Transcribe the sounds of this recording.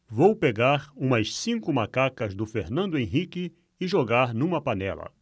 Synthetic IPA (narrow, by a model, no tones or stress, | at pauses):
vowpeɡaɾũmɐssĩkʊmakakɐzd̪ʊfeɾnɐ̃nd̪ʊẽɦikɪ | ɪʒoɡaɾnũmɐpanɛ̰lɐ̰